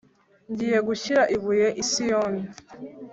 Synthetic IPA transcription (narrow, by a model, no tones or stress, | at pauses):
ɲɟiːje̞ɡuʃiɾaʔiβujeʔisijoːne